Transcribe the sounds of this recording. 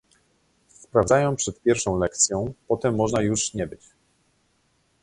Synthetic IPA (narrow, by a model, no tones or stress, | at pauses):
spɾavzajɔ̃npʂɛt̪̚pʲjɛɾfʂɔ̃w̃lɛkt̪sʲjɔ̃w̃pɔt̪ɛmːɔʐnajuʂɲɛbɘt͡ɕ